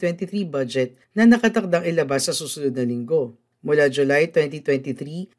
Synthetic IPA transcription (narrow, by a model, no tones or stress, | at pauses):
wɛnt̪iθɾibɐd͡ʒɛt̪̚nɐnɐkɐt̪ɐk̚d̪aŋʔɪlɐbasːɐsuːsʊnod̪̚nɐlɪŋɡo̞ | mʊlad͡ʒʊlajt̪wɛnt̪it̪wɛnt̪iθɾi